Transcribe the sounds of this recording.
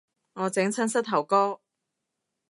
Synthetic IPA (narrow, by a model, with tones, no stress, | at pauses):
ŋɔː˨˧t͡sɪ˨˥ŋt͡sʰɐ˥nsɐ˥t̚t̪ʰːɐ˨˩wkɔː˥